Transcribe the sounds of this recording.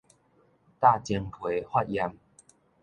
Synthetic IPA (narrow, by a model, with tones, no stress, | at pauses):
t̪a˥˨t͡ɕji˧ŋpʰwe˨˦hwa˥˦t̚ja˧m